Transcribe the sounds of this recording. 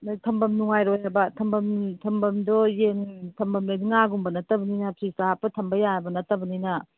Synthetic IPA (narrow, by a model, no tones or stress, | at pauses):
nɐtʰɐmbɐmnuŋajɾojhabɐtʰɐmbɐmtʰɐmbɐmdɔjeŋtʰɐmbɐmleniŋaɡumbɐnɐtɐbɐninɐpʰɾisaapːɐtʰɐmbɐjabɐnɐtːɐbɐninɐ